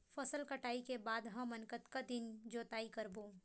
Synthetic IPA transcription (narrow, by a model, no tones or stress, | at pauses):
fɐsəlkɐʈaːikebaːd̪ɦãmɐnkət̪kad̪ɪnd͡ʒoːt̪aːikɐɾboː